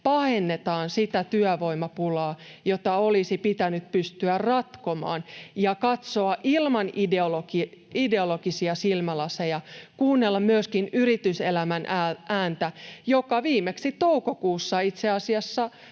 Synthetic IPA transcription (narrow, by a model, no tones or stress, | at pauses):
pɑhenːet̪ɑːnsit̪æt̪yæʋoimɑpulɑːjot̪ɑolisipit̪ænyt̪̚pyst̪yærrɑt̪komɑ̰ːnjɑkɑt̪soɑʔilmɑnideolokiide̞olokisiɑsilmælɑsejɑkuːnːelːɑmmyøskinyrit̪yselæmænæʔæːnt̪æjokɑʋiːmˑeksit̪oukokuːsːɑit̪seɑsiɑsːɑ